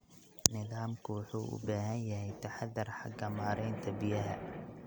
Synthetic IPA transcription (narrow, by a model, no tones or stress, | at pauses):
nɪðaːmkʰʊwʊħuːʔʊ̰baːɦɐnjɐɦɛjt̪ʰɐħɑd̪ːɐrħɑɡɐmaːɾɛjnt̪ʰɐbɪjɐɦɐ